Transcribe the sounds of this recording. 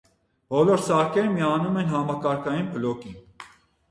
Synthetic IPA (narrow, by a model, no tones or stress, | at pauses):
bɔlɔɾsɑɾkʰɛɾmiɑnumɛnɦɑmɑkɑɾkʰɑjinpʰəlɔki